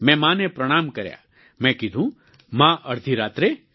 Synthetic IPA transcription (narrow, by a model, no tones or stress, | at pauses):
mɛ̃mãːnepɾəɽ̃aːmkɐɾja̰ | mɛ̃kid̪ʱũ | mãʔɐɾd̪ʱiɾaːt̪ɾe